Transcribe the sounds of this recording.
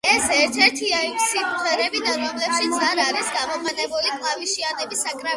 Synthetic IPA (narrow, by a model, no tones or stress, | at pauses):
ɛsɛɾt̪ʰɛɾt̪ʰiaimsimχɛɾɛbid̪aɾɔmlɛpʃit̪saɾaɾisɡamɔmanɛbulikʼlˠaviʃianɛbisakʼɾa